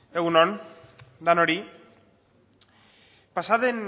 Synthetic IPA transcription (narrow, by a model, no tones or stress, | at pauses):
e̞ɣunond̪ano̞ɾi | pasaðe̞n